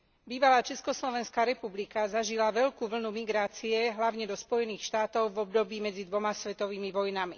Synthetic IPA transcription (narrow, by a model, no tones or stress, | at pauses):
biːʋalaːt͡ʃɛskɔslɔʋɛnskaːɾɛpublikazaʒilaʋɛʎkuːʋl̩numiɡɾaːt͡siɛɦlaʊɲɛd̪ɔspɔjɛniːxʃt̪aːt̪ɔʊvɔb̚d̪ɔbiːmɛd͡zid̪ʋɔmasʋɛt̪ɔʋiːmiʋɔjnamḭ